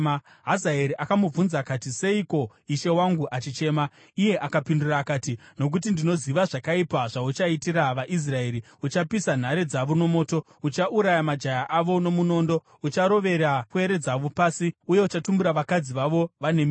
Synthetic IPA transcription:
a | ɦazaeɾiʔakamub͡vunzakatise̞iko̞ | iʃe̞waŋɡuʔat͡ʃit͡ʃe̞ːma | ije̞ʔakapinduraːkaːtino̞k̬ut̬indino̞ziʋaʐakaipaʐaut͡ʃaitiɾaʋaʔis̬rae̞ːɾi | ut͡ʃapisan̤aɾe̞d͡zaʋono̞mo̞ːto̞ | ut͡ʃaʔuɾajamad͡ʒajaʔaʋo̞no̞muno̞ːndo̞ | ut͡ʃaɾo̞ʋe̞ɾakue̞ɾe̞d͡zaʋopaːsiuje̞ut͡ʃatumbuɾaʋakad͡ziʋaʋo̞ʋanemi

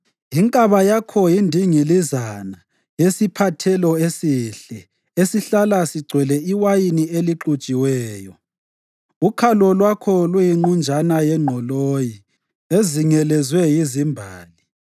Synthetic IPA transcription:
iŋkʼaβajakʰɔjindʱiŋilizana | jesipʰatʰɛlɔesiɬɛ | esiɬalasiɡ͡ǀʱwɛlɛiwajinieliǃut͡ʃʼiwɛːjɔ | ukʰalɔlwakʰɔlwujiŋ͡ǃund͡ʒʱanajɛŋ͡ǃʱɔloji | eziŋɛlɛzwɛjizimbʱaːli

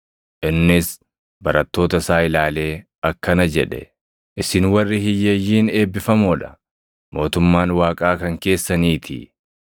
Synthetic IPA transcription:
ʔɪnːɪs | bɐɾɐt̪ːo̞ːt̪ɐsaːɪlaːle̞ː | ɐkːɐnɐd͡ʒɛ̰ᶑɛ̰ | ʔɪsɪnwɐrːɪhɪjːɐjːiːne̞ːbːɪfɐmɔːᶑɐ̥ | mo̞ːt̪ʊmːaːnwaːkʼaːkɐŋke̞ːsːɐniːt̪ʰɪ̰

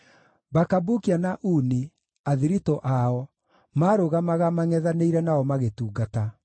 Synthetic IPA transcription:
bakabukianaʔuːni | aðiɾitɔʔaɔ | maːɾoɣamaɣamaŋɛðaneiɾɛnaɔmaɣetuːɡata

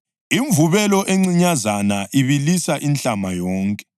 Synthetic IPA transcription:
iɱvuβɛlɔʔeŋ͡ǀiɲazanaʔiβilisaʔinɬʼamajɔːŋkʼɛ̥

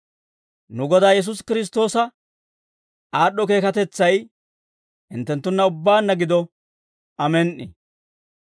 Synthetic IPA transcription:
nʊɡɔd̪aːjɛs̬ʊskɪɾɪs̬t̪o̞ːsɐ | aːɗːɔk̬e̞ːkɐt̪ɛt͡sːɐj | hɪnt̪ːɛnt̪ːʊnːɐʊbːaːnːɐɡɪd̪ɔ | ɐmɛnʔɪ̰

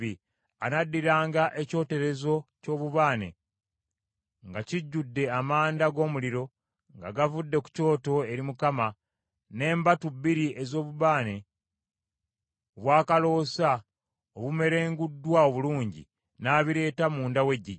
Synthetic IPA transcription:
i | anadːiɾaːŋɡaʔe̞co̞ːte̞ɾe̞zo̞co̞ːβuβaːne̞̰ | ŋɡaciɟːudːe̞amaːndaɡo̞ːmuliɾo̞ | ŋɡaɡavudːe̞ku̥co̞ːto̞e̞ɾimukama | ne̞ːmbatubːiɾiʔe̞zo̞ːβuβaːne̞ | oβwaːkalo̞ːsa | oβume̞ɾe̞ːŋɡudːwao̞βuluːɲɟḭ | naːβiɾe̞ːtamuːndawe̞ɟːi

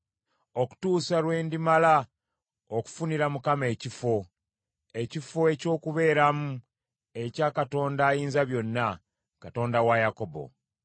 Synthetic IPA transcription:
o̞ku̥tuːsalwe̞ːndimala | oku̥funiɾamukame̞ːcifo̞ | e̞cifo̞e̞co̞ːkuβe̞ːɾamu | e̞caːkato̞ːndaːjiːnzaβjo̞nːa | kato̞ːndawajako̞bo̞̰

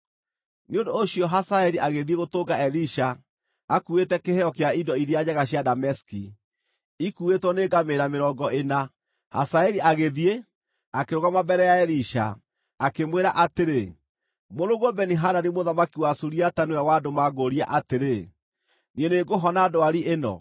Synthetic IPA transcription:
neondoːɕiɔɦasaɛɾiʔaɣeðieɣotoɡaɛliʃa | akuetɛkehɛɔkeaidɔiɾiad͡ʑaɣaɕjadamɛski | ikuetwɔneɡameɾameɾɔːɡɔʔena | ha̰saɛɾiʔaɣeðie | akeɾoɣamabɛɾɛjaɛɾiʃa̰ː | kemweɾaʔateɾe | moɾoɣwoɔbɛniɦadanimoðamakiwasuɾiatanuawadomaɡoɾia̰ʔateɾe | nieneɡoɦɔnaːdoaɾiʔenɔ̰

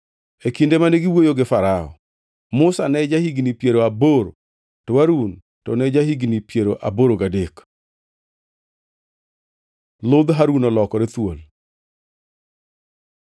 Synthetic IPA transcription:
ekindemaneɡɪwojoɡɪfaɾaɔ̰ | mʊsanɛd͡ʒahiɡnipjeɾoaboɾo̰ | tɔwaɾun | tɔnɛd͡ʒahiɡnipjeɾoʔa̰boɾoɡadek | lʊd̪ɦaɾunɔlɔkɔɾet̪wo̰l

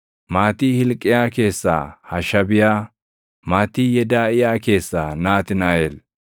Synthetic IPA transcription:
maːt̪ihɪlkʼːɪjaːke̞ːsːa̰ːhɐʃɐbɪjaː | maːt̪ːiːjɛd̪aːɪjaːke̞ːsːaːnaːt̪ɪnaːʔel

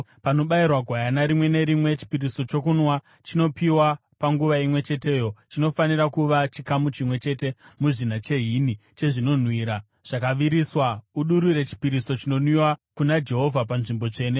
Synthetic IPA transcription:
pano̞ɓairwaɡʱwajanaɾimwe̞ne̞ɾimwe̞t͡ʃi̥piɾiso̞t͡ʃo̞kunwa | t͡ʃino̞piwa | paŋɡuʋaimwe̞t͡ʃe̞te̞ːjo̞t͡ʃino̞faniɾakuʋat͡ʃikamut͡ʃimwe̞t͡ʃe̞te̞muʐinat͡ʃe̞ɦinit͡ʃe̞ʐino̞n̤wiːɾa | ʐ̥akaʋiɾiswauɗuɾuɾe̞t͡ʃi̥piɾiso̞t͡ʃino̞nwiwakunad͡ʒe̞ɦo̞vʱapanʐimbo̞t͡ʂe̞ːne

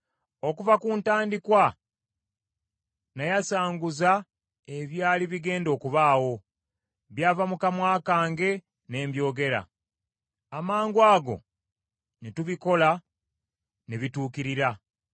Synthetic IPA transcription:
o̞kuvakuːntaːndikwa | najasaːŋɡuza | e̞βjaːliβiɡe̞ːndo̞ːkuβaːwo̞ | βjaːvamukamwaːkaːŋɡe̞ | ne̞ːmbjo̞ːɡe̞ɾa̰ | amaːŋɡwaːɡo̞̰ | nituβiko̞la | neβituːkiɾiɾa

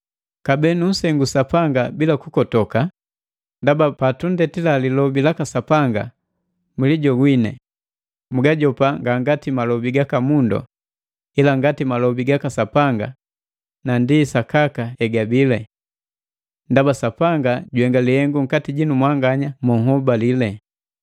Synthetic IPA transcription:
kabɛnun̩sɛŋɡusapaŋɡabilakukɔtɔka | ndabapatundɛtilalilɔbilakasapaŋɡa̰ | muliɟɔɡwinɛ̰ | muɡaɟɔpaŋɡaŋɡatimalɔbiɡakamundɔ̰ | ilaŋɡatimalɔbiɡakasapaŋɡa̰ | nandisakakaɛɡabilɛ | ndabasapaŋɡaɟwɛŋɡalihɛŋɡuŋ̩katiɟinumwaŋɡaɲamɔhɔbalilɛ

